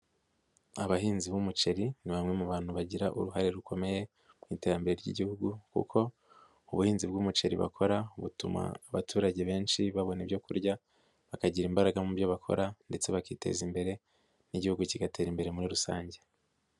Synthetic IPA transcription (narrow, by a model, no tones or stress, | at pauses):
aβaɦiːnziβumut͡ʃe̞ɾiniβamŋe̞muβaːn̥huβaɟiɾaʔṵɾuɦaɾe̞ɾuko̞me̞je̞ | mŋiːte̞ɾambeɾeɾɟḭɟihuɡukṵkʰo̞ | uβuhiːnzibɡuːmut͡ʃe̞ɾḭβa̰kʰo̞ɾauβutuma̰ːβatʰuːɾaɟe̞βe̞ːnt͡ʃiβaβo̞nebjo̞kuɾɟa | βakaɟiɾiːmbaɾaɡamubjo̞βakʰo̞̰ɾande̞t͡se̞βakiːte̞̰zimbe̞ɾe̞ | niɟihuɡuciɡate̞ːɾimbe̞ɾemuɾiɾusa̰ːɲɟe̞